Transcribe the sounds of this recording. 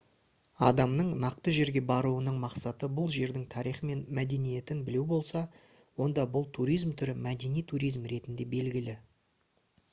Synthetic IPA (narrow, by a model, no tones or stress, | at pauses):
ɑ̰d̪ɑmnəɴnɑq̚t̪əʒe̞ɾɡʲe̞bɑɾuwənəɴmɑqsɑt̪əbʊlˠʒe̞ɾd̪ɪŋt̪ʰɑɾijχəme̞nmæd̪e̞nije̞t̪ɪnbɪlewbo̞lˠsɑ | wo̞nd̪ɑbʊlˠt̪ʰuɾijzmt̪ʰʏɾɪmæd̪e̞nijt̪ʰuɾijzmɾe̞t̪ɪnd̪e̞be̞lɡʲɪlɪ